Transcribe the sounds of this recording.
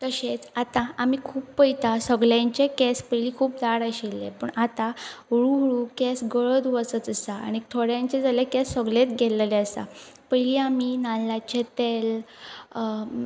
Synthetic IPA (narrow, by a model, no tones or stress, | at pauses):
k̪əɕet͡sat̪ãamiːkʰuːppəjt̪asəɡljãɲt͡ɕekɛspəjliːkʰuːp̚d̪aɽaɕelːḛpəɳat̪ãɦuɽuɦɭukesɡəɭəd̪ʋət͡sət͡səsaa̰ñit̪ʰoɽjãɲt͡ɕed͡zalekɛsəɡlet̪ɡʱɛləlɛəsa̰ | pəjliːaminalːat͡ɕet̪el